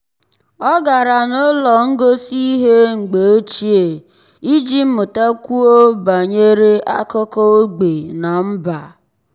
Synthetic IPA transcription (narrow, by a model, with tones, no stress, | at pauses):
ɔ˦ɡa˨ɾa˨no˦lɔ˨ŋ̩˦ɡo˦si˦ɦe˦ŋ͡m̩˨ɡ͡be˨o˦t͡ʃi˦e˨ | i˦d͡ʒi˦m̩˦mʊ˨ta˦kʷu˦o˦ba˨ɲe˦ɾe˦ʔa̰˦kɔ˦kɔ˦o˦ɡ͡be˨na˨m̩˦ba˨